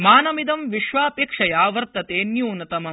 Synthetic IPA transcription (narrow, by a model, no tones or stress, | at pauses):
maːnɐmid̪ɐmʋiʃʋaːpeːkʂɐjaːʋɐɾt̪ɐt̪eːnjuːnɐt̪ɐmɐ